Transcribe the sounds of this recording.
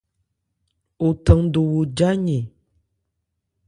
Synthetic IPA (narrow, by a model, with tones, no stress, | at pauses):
o˨tə˨ŋdo˨wo˨d͡ʒa˦ɲe˨